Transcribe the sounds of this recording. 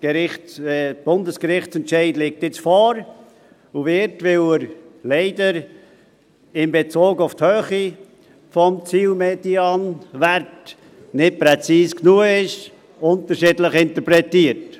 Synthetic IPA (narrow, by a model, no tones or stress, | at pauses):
ɡ̥əɾɪ | b̥ʊndəskəɾɪχt͡sɛntʃɛɪdlɪːk̚tɪt͡sfɔːɾ | uvɪɾtvɪləɾlɛɪdəɾ | ɪnbet͡soːɡʊfthøːχi | fɔmt͡siːlmediɑnvɛɾt | nɪt̚pɾɛt͡siːsknuəɪʃ | ʊntəɾʃɪːdləχɪntəpɾɛtiːəɾt